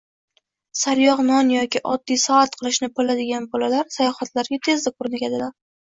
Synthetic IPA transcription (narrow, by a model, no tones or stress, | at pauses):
saɾjɒqnɒnjɒkʲɪʔɒd̪ːijsɒat̪qʰɨlˠɪʃnɪbolad̪ɪɡʲanbɒlalaɾsajɒχat̪laɾɡʲat̪ʰe̞zd̪aqʰʊɾnɪkʲad̪ɪla